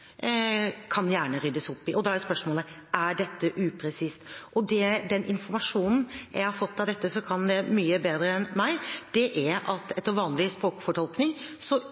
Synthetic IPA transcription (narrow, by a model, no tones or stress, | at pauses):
kʰɑnjæːɳəɾʏd̪əsʊpːɪʔɔd̪ɑhæɾspœʂmɔːləʔæɖɛt̪ːəʔʉpʰɾɛsist̪ʔɔd̪ɛd̪ɛnʔɪnfɔɾmɑʂuːnn̩jʔæ̰ɪhɑɾfɔt̪ːɑʋd̪ɛt̪ːəsɔkʰɑnd̪ɛmyːəbeːd̪ɾəɛnmæɪd̪̥ɛʔæɾɑt̪ɛt̪ːəɾʋɑːnlɪspɾoːkfɔʈʰɔlknɪŋsɔ